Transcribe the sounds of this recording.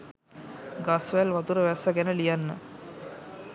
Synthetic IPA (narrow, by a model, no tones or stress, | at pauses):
ɡasʋælʋɐt̪uɾəʋæsɐɡɛnəlijanːə